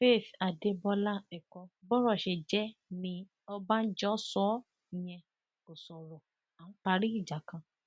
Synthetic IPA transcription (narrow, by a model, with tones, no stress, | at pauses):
fe˦˨fa˨de˧˦bɔ˧la˦˨ɛ˨kɔ˧˦bɔ˦ɾɔ˦˨ʃe˧˨d͡ʒɛ˨˦nĩ˧ | ɔ˧ba˦n̩˦d͡ʒɔ˦sɔ˦˨ | j̃ɛ̃˧˨ | ko˨sɔ˨ɾɔ˨ | a˨ñ̩˦k͡pa˧ɾi˦i˦˨d͡ʒa˨kã˧